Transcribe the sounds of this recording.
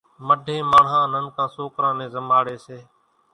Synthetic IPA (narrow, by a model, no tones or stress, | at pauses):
məɖʱẽːmaːɳ̤ɦãːnənkãːsoːkɾãːnẽːzəmaːɽeːseː